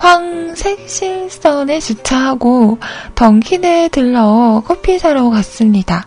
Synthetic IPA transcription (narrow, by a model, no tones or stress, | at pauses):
ɸwaŋsʰek̚ɕ͈ʰiɭs͈ʌnet͡ɕut͡ɕʰaɦaɡotʌŋkʰinɯɭtɯɭːʌkʰopʰisʰaɾokas͈ɯmɲid̥a